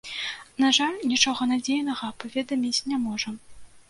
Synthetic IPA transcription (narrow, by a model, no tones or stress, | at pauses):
naʐalʲnʲit͡ʂɔɣɐnad͡zʲejnɐɣɐpavʲɛd̪ɐmʲit͡sʲnʲamɔʐɐm